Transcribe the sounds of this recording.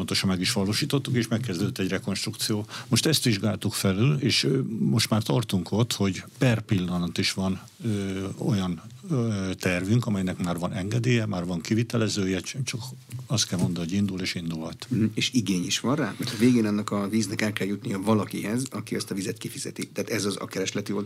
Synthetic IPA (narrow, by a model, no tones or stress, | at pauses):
ont̪o̞ʃɒmmɛɡiʃʋɒloːʃiːt̪o̞t̪ːukeːʃmɛkːɛzd̪øːd̪øt̪ːɛɟrɛko̞nʃt̪rukt̪sijoːmoʃt̪ɛst̪ʋiʒɡaːlt̪ukfɛlyleːʃmo̞ʃt̪maːrt̪ɒrt̪uŋkʰo̞t̪ho̞ɟpɛrpilːɒnɒt̪iʃʋɒn | øo̞̰jɒn | t̪ɛrvyŋkɒmɛjnɛkmaːrvɒnʔɛŋɡɛd̪eːjɛmaːrvɒŋkivit̪ɛlɛzøːjɛt͡ʃt͡ʃɒkɒst̪kɛlmo̞nd̪ɒnɦoɟind̪uleːʃind̪ulhɒt̪̩eːʃiɡeːɲiʃʋɒnra̰ːmɛrt̪ɒveːɡeːnɒnːɒkɒviːznɛkɛlkɛljut̪nijɒvɒlɒkiɦɛzɒkiɒst̪ɒvizɛt̪kifizɛt̪it̪ɛaːt̪ɛzɒzɒ̰kɛɾɛʃlɛt̪iold̪